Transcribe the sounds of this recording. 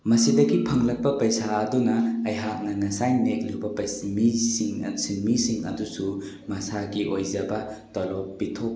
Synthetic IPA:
mɐsidɐɡipʰɐŋlɐk̚pɐpɐjsaːdunɐːjɦak̚nɐnɐsajnek̚luwbɐpɐjsmisiŋ̰sinmisiŋɐ̰dusu | mɐsaɡiʔojzɐbɐtɔlɔpːitʰok̚

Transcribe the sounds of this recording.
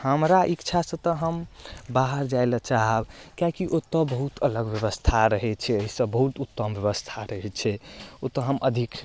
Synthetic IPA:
həmɾaʔikt͡ʃʰasə̃t̪əɦəmbaɦəɾd͡ʒajlət͡ʃaɦəbkjakiʔot̪əbəɦut̪ələɡbjəβəst̪ʰaɾəɦɛt͡ʃʰɛəɦisəbbəɦut̪ut̪ːəmbjəβəst̪ʰaɾəɦɛt͡ʃʰɛot̪əɦəmʔəd̪ʱik

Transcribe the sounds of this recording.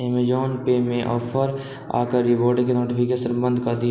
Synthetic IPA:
emed͡ʒɔːnpemẽʔɔːpʰəɾ | a̰ːkəɾːɪʋoːɾɖkenoːʈɪpʰɪkeʃənbə̃nd̪ʱkɐd̪i

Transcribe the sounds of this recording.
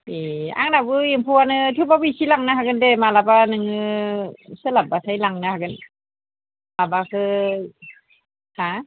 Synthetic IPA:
ia̰ŋnabɯjiŋpʰuanɯt̪ʰibabisilaŋnaɦakɯndemalabanɯŋɯ | sɯlap̚basʰajlaŋnahakɯn | labakʰɯ | ha

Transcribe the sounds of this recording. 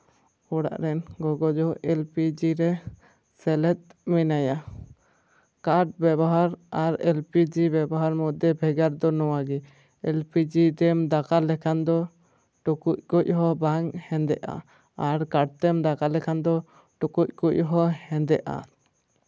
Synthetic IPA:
ɔɽa̰ʔɾɛnɡɔɡɔd͡ʒɔʔɛlpid͡ʒiɾɛ | sɛlɛt̪̚mɛnaja | kaʈ̚bɛbɔɦaɾaɾɛlpid͡ʒibɛbɔɦaɾmɔd̪ɛbʱɛɡaɾd̪ɔnɔwaɡɛ | ɛlpid͡ʒid̪ɛmd̪akalɛkʰand̪ɔ | ʈukuc̚kuc̚ɦɔbaŋhɛ̃nd̪ɛʔa̰ | aɾkaʈ̚t̪ɛmd̪akalɛkʰand̪ɔ | ʈukuc̚ˀkuc̚ɦɔhɛ̃nd̪ɛʔa̰

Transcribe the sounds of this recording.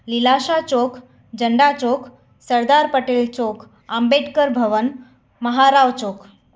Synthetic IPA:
lilaɕat͡ɕok | d͡ʑəɳɖat͡ɕok | səɾd̪aɾpəʈelt͡sok | ambeʈkəɾbʱəʋən | məɦaɾaʋt͡ɕok

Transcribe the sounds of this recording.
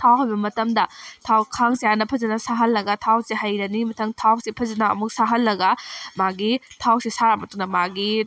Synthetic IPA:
tʰawɦajbɐmɐtɐmdɐtʰawkʰaŋsijanɐpʰɐzɐnɐsaɦɐlːɐɡɐtʰawsiɦajɾɐnimɐtʰɐŋtʰawsipʰɐzɐnɐɐ̰muk̚saɦɐlːɐɡɐmaɡitʰawsisaɾamɐtunɐmaɡi

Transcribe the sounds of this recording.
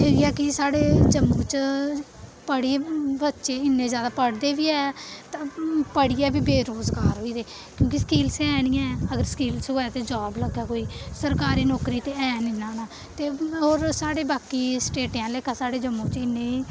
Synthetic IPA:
eːiɛːkɪsaːɽeːd͡ʒəmːũːt͡ʃ | pəɽiːbətːʃeːɪnːẽːzjaːd̪aːpəɽd̪eːʋiːɛːt̪ãːpəɽiːɛːbiːbeːɾoːzɡaːɾɦoːiːd̪eː | kjõːkiskiːlsɛːnĩːɛ̃ːəɡəɾsə̥kiːlsɦoːɛːt̪eːd͡ʒɔːbləɡaːkoːiːsəɾkaːɾiːnɔːkɾiːt̪eːɛːniːnãːnaː | t̪eːɦoːɾsaːɽeːbaːkiːsʈeːʈjãːleːkãːsaːɽeːd͡ʒəmːũːt͡ʃɪnːẽːiː

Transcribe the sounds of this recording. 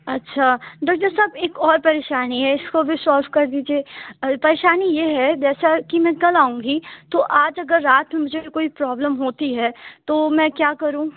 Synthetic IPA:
ɐtːʃʰaɖɔːk̚t̪əɾsɐbeːkɔːɾpɐɾeːʃaːniɦɛɪskobʱisɔːlʋkɐɾd̪iːd͡ʒieːpɐɾeːʃaːnijeɦɛd͡ʒɛːsakimɛ̃ːkɐlaːũːŋɡit̪oʔaːd͡ʒɐɡəɾːaːt̪mẽmʊd͡ʒʱeikoːipɾɔːbləmɦoːt̪iɦɛːt̪oːmɛ̃kjaːkɐɾũː

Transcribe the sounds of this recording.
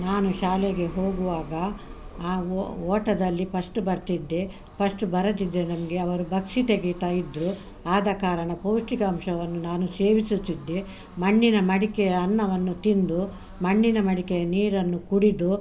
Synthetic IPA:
naːnuʃaːleɡe̞ɦo̞ːɡuʋaːɡɐː | ɔːʈɐd̪ɐlːipɐʂʈubɐɾt̪id̪ːe | pɐʂʈubɐɾɐd̪id̪ːenɐmɐɡe̞ɐʋɐɾubʱɐkʂit̪eɡit̪aːjid̪ɾu | aːd̪ɐkaːɾɐɳɐpoːʂʈikɐmʂɐʋɐnːunaːnuseːʋisut̪ːid̪ːe | mɐɳːinɐmɐɽikɛjɐɐnːɐʋɐnːut̪ind̪u | mɐɳːinɐmɐɽikejɐniːɾɐnːukuɽid̪u

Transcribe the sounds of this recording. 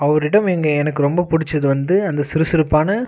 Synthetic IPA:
ɐʋɐɾɪɽɐmɛŋɡɐɛnɐkːɯɾɔmbɐpʊɽɪt͡ʃːɐðɯʋɐnd̪ɯɐnd̪ɐsɪɾɯsɪɾɯpːaːnɐ

